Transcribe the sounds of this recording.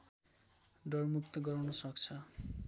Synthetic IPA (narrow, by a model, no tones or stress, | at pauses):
ɖʌrmukt̪ʌɡʌɾwnʌsʌk̚t͡sʰʌ